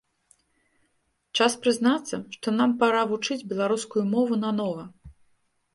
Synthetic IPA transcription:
t͡ʂaspɾɨznat̪sːɐʂt̪ɔn̪ampaɾavut͡ʂɨd͡zʲbʲɛlˠaɾuskujumɔvunɐnɔvɐ

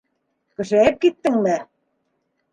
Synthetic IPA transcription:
kɘ̆ʃeep̚kit̪ːɘ̆ŋmæ

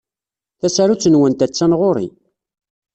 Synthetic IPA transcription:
θæsaɾut͡sːənwənt̪æt͡sːænʁoɾḭ

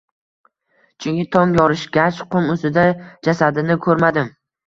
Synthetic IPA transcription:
t͡ʃʰʊŋkʲɪt̪ʰɒŋjɒɾɪʃɡʲat͡ʃqʰʊmɵsɪd̪ad͡ʒasad̪ɪnɪkʰɵɾmad̪ɪm

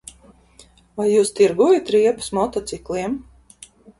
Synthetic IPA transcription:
vajːuːst̪iɾɡuɔjat̪ɾiɛpɨ̥smɔt̪ɔt̪siklˠiɛm

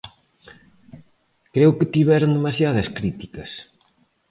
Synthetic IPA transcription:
kɾewkɪt̪iβɛɾond̪emasjaðɐskɾit̪ikɐs

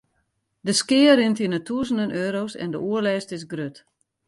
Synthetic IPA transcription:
dəskɪːəɾɪntinətʰuəzən̩dənøːɾoːsɛ̰ndəʔuəlɛːstɪs̬ɡrøt

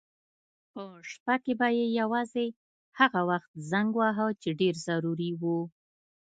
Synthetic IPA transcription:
pəʃpakebajejawɑze | haɣawaxt̪zaŋɡwɑɦat͡ʃeɖeɾzaɾuɾiwu

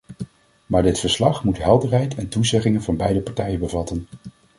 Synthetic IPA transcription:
maːɹdɪtfəɹslɑχmutɦɛlˠdərɦɛjtʰɛntuzɛχɪŋənvɑnbɛjdəpɑɹtɛjənbəvɑtən

